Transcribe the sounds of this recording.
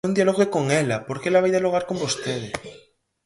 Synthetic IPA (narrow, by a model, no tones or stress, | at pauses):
und̪ialoɣekoŋelapoɾkelaβajðaloɣ̞aɾko̞mbo̞st̪eðe